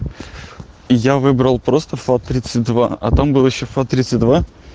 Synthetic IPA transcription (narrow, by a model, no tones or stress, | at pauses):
javɨbɾəlˠpɾo̞st̪əfat̪ɾʲit̪sɨtʲd̪vaɐ̰t̪ambɨlˠjɪɕːofat̪ɾʲit̪sɨtʲd̪va